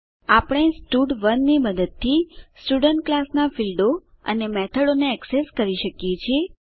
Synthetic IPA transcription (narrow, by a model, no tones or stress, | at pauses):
apɽ̃esʈuɖʋənːiməd̪əd̪̚t̪ʰːisʈuɖəɳʈ̚klasnafilɖo | ə̰nemɛt̪ʰəɽoneɛkseskəɾiʃəkjet͡ʃʰie